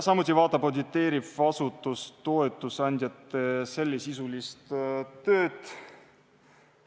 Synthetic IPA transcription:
sɑmut̪ʲːˑivɑːt̪ːˑɑpod̪ʲit̪ːˑe̞ːɾifɑsut̪ːˑust̪o̞e̞t̪ːˑusɑnʲd̪̥ʲjɑt̪ːese̞lʲːisisulist̪t̪ø̞ːt̪

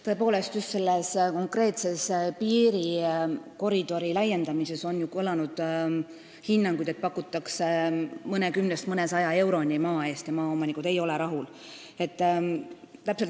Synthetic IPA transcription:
t̪ɤ̞e̞po̞ːle̞st̪just̪se̞lːesko̞ŋkre̞ːt̪se̞spiːɾiko̞ɾid̪̥o̞ɾilɑje̞nd̪ɑmise̞so̞njukolɑnud̪̥ | hinːɑŋɡ̥ujd̪̥e̞t̪̚pɑkːˑut̪ːˑɑksemɤne̞kymnest̪mɤne̞sɑjɑe̞wɾo̞nʲimɑːe̞ːst̪jɑmɑːo̞mɑnikˑud̪̥e̞jo̞le̞ɾɑɦul | e̞t̪ː | t̪ːæpselt̪

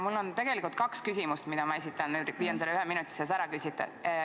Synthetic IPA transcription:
mulːo̞nt̪e̞ɡ̥e̞likult̪̚kɑkskysʲimust̪mid̪ɑmɑe̞s̬it̪ːˑɑnnyd̪ʋiːjɑnselːeyheminut̪ːˑi̥ses̬æɾɑkysʲit̪ːˑɑ̰

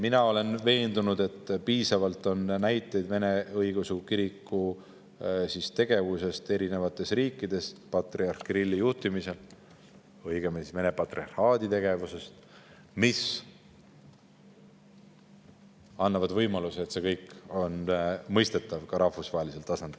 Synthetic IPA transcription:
minɑo̞le̞nve̞ːnd̪̥unud̪̥e̞t̪ːˑpiːsɑvɑlt̪ˑo̞nnæjt̪ːˑe̞jd̪ve̞ne̞ɤjɡusukiɾikːu | sist̪e̞ɡ̥e̞vuse̞st̪e̞ɾinevɑt̪ːˑe̞sriːkˑːid̪̥e̞spɑt̪riɑrkrilʲːijuht̪imise̞l | ɤjɡ̥emime̞nepɑt̪riɑrhɑːd̪̥it̪e̞ɡ̥e̞vuse̞st̪ | mis | ɑnːɑvɑd̪vɤjmɑluseet̪se̞kɤjkːo̞nmɤjst̪e̞t̪ːˑɑvkɑɾʔɑhfusvɑɦelise̞lt̪ɑsɑnd̪̥il

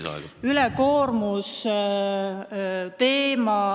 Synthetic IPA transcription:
ylɛko̞ːrmus | t̪e̞ːmɑ

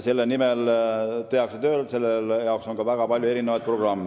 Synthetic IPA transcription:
se̞lːenimelt̪e̞ɑkset̪ø̞ːlse̞lːeljɑokso̞nkɑvæɡ̥ɑpɑlʲjue̞ɾinevɑjd̪̚pro̞ɡ̥rɑmːe

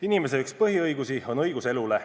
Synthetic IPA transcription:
inimes̬eykspɤɦiɤjɡusio̞nɤ̞jɡ̥use̞lule

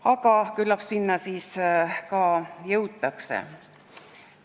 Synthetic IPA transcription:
ɑɡɑkylːɑpsinːɑsiːskɑːjɤwt̪ːˑɑksḛ

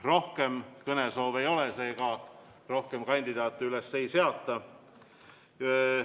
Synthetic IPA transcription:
ro̞hke̞mkɤne̞so̞ːve̞jo̞lese̞ːɡ̥ɑ | ro̞hke̞mkɑnʲd̪id̪̥ɑːt̪ːˑyle̞sːe̞jse̞ɑt̪ːˑɑ

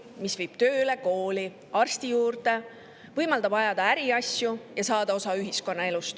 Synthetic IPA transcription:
misvɤjb̥t̪ø̞ːleko̞ːli | ɑrst̪ijuːrt̪e̞ | vɤjmɑld̪̥ɑbɑjɑd̪̥ɑæɾiɑsjujɑsɑːd̪̥ɑo̞sɑyɦisko̞nːɑe̞lust̪

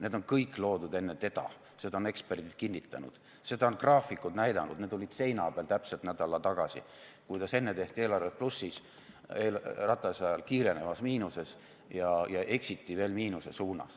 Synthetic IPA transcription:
ne̞ːd̪o̞nkɤjkːˑlo̞ːd̪ud̪e̞nːet̪e̞d̪̥ɑ̰ | se̞d̪ɑone̞ksperd̪̥id̪̥̚kinʲːit̪ːˑɑnṵd̪̥ | se̞d̪ɑonkrɑːfikˑud̪næjd̪ɑ̰nṵd̪ned̪olʲid̪̥se̞jnɑːb̥eɑlt̪æpse̞lt̪næd̪̥ɑlɑt̪ɑɡ̥ɑsḭ | kujt̪ɑse̞nːet̪e̞ht̪ie̞ːlɑrvet̪̚plusːis | eːlrɑt̪ːˑɑsɑɑlkiːɾe̞ne̞vɑsmiːnuse̞s | jɑjɑʔe̞ksit̪ːˑive̞ːlmiːnuse̞suːnɑ̰s

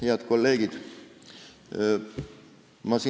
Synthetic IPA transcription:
heɑd̪ko̞lːe̞ːɡid̪̥ | mɑsiː

